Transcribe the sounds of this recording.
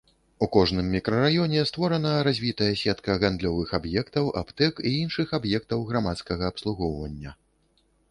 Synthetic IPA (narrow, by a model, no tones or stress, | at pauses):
ukɔʐnɨmːʲikɾɐɾajɔnʲɛst̪vɔɾɐnɐɾazʲvʲit̪ɐjɐsʲɛt̪kɐɣand̪lʲɔvɨxabjɛkt̪ɐwʔa̰pt̪ɛkiinʂɨxabjɛk̚t̪ɐwɣɾamat̪skɐɣɐːpslˠuɣɔwvɐnʲːɐ